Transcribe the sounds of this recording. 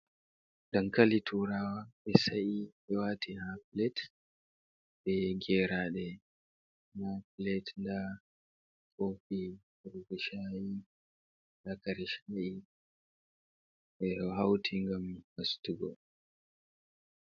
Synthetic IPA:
dankalitʰuɾaːwaɓɛsaʔiɓɛwatihaplɛt | bɛɡɛːɾaɗɛ | haplɛtnda | kʼofi | ɾuɡiʃai | lakaɾiʃai | ɛɦawtʰiŋɡammastuɡɔ

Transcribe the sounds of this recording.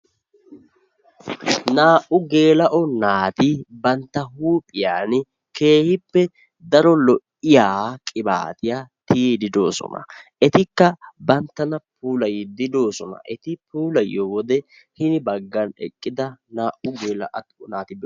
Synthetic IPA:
naːʔʊɡe̞ːlɐʔɔnaːt̪ɪbɐnt̪ːɐɦuːpʼɪjaːn | ke̞ːhɪpːɛ | d̪ɐɾɔlɔʔɪjaːkʼɪba̰ːt̪ɪjaːt̪iːd̪ɪd̪o̞ːsɔ̰nɐ̰ɛt̪ɪkːɐbɐnt̪ːɐnɐpuːlɐjɪd̪ɪd̪o̞ːsɔnɐ̰ʔɛt̪ɪpuːlɐjːowɔd̪ɛ | hɪnɪbɐɡːɐnɛ̰kʼːɪd̪ɐnaːʔʊɡe̞ːlɐʔnaːt̪ɪb

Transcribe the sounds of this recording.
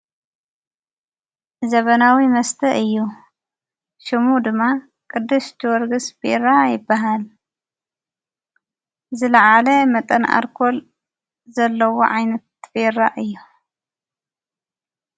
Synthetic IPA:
zɐβɐnawimɐst̪ʰɐʔɨjːu | ʃɨmud̪ɨmːa | kʼɨd̪ːɨst̪ʰɨwɔɾɡɨsb̥eɾajɪbːaɦal | zɨlɐʕalɐmɐt̪ʼɐnʔa̰ɾkʰol | zɐlːɐwoʕajnɐt̪̚beɾaʔɨjːu

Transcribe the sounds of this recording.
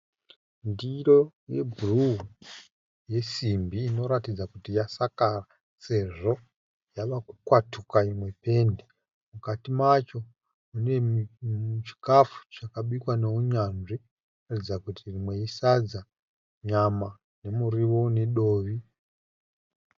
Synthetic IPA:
ndiɾo̞ | je̞bʱuru | je̞simbiːno̞ɾatid͡zakutijasakara | se̞ʐo̞ | jaʋaku̥kwatukaimwe̞pe̞nde | mukatimat͡ʃo̞ | une̞ | ut͡ʃi̥kafu̥t͡ʃakaɓikwane̞uɲanʐi | ratid͡zakutirimwe̞isad͡za | ɲama | ne̞muɾiʋo̞ne̞ɗo̞ːʋi

